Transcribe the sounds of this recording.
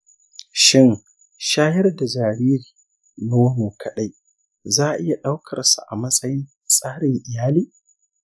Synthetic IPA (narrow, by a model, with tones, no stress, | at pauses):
ʃɪ˦n | ʃaː˦jɐ˦rda˨d͡ʒaː˨ɾiː˦ɾiː˨ | no˦noː˨kʰɐ˨ɗa˦j | zaː˦˨ʔɪ˦ja˨ɗa˦wkʰɐ˨rsa̰˨ʔa˨mɐ˦sʼɐ˦jɪ˦n | sʼaː˦ɽɪ˨ŋʔɪ˨jaː˦liː˦